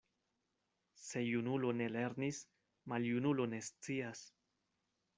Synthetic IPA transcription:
se̞junulo̞ne̞le̞ɾnis | maljunulo̞ne̞st͡sias

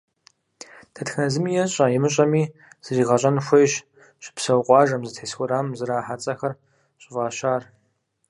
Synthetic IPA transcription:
d̥ʰɐtxnɐzɨmijɛɕʼɐjɛmɨɕʼɐmiːz̥ɨziːʁɐɕʼɐnxʷɐjɕ | ɕʼɪ̥psɐwqʷʼɑːʒɐmzɨtʰħesxʷʊɾaːmzɨɾaːħat͡sʼɐxɐr | ɕʼɪvaːɕaːr

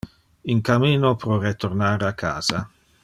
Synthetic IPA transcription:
iŋkamiːnopɾɔɾet̪oɾnaːɾakʰːa̰ːz̥a

